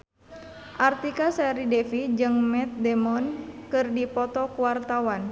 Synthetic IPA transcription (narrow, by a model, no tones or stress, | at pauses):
ʔart̪ikasɛɾidɛfid͡ʒɨŋmɛt̪̚dɛmɔnkɨrdipɔt̪ɔkuwart̪awan